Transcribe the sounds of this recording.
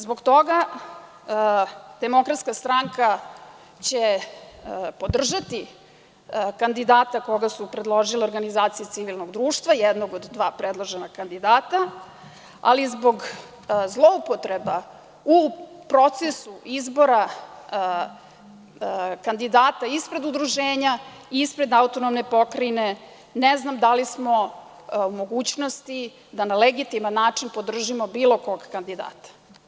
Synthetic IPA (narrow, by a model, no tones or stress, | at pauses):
zbo̞ɡt̪o̞ɡa | d̪̥e̞mo̞kɾat̪skast̪ɾaŋka | t͡ɕe | po̞d̪r̩ʒat̪i | kand̪id̪aːt̪ako̞ɡasupɾed̪lˠo̞ʒileo̞ɾɡanizaːt̪sijut̪siʋilnoɡd̪ɾuːʃt̪vajɛd̪noɡo̞d̪ːʋaːpɾed̪lˠoʒenakand̪id̪aːt̪a | a̰lizbo̞ɡ | zlˠo̞upot̪ɾeba | upɾo̞t̪sesuʔizbo̞ɾa | kand̪id̪aːt̪aispɾe̞d̪ud̪ɾuʒeːɲa | ispɾe̞d̪aut̪o̞nomnepo̞kɾaine̞ | neznamd̪alismo̞ | umo̞ɡuːt͡ɕno̞st̪i | d̪analeɡit̪imanːaːt͡ʂinpo̞d̪r̩ʒimo̞biːlo̞ko̞ɡkand̪id̪a̰ːt̪ḁ